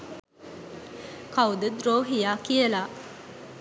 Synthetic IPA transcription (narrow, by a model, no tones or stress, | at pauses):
kawd̪əd̪ɾoːɦijaːkiəlaː